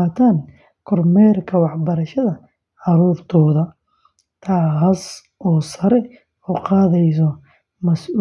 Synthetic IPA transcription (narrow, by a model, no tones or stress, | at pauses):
aːt̪ʰaːn | kʰɔrmɛːrkʰɐwɑħbɐɾɐʃɐðɐ | ʕɑɾuːrt̪ʰɔːðɐ | t̪ʰaːɦɐs | ʔɔːsɐɾɛ | uːqɑːðɛjs̬ɔ | mɐsuː